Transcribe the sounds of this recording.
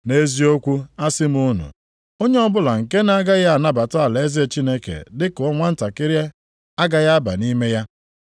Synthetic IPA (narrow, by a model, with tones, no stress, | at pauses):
ne˦zi˦o˦kʷu˦a˦sɪ˦m˦ʊ˦nʊ̰˨ | o˦ɲe˦ɔ˦bʊ˦la˨ŋ̩˨ke˦n˦a˦ɡa˦ɣa˦a˨na˦ba˨tʊ˦a˨le˨˦zi˦e˦˨t͡ʃi˦ne˦kḛ˨dɪ˦kʊ˨ɔ˦ŋʷa˦n̩˦ta˨kɪ˦ɾje˦ | a˦ɡa˦ja˦ba̰˨ni˦me˦ja˦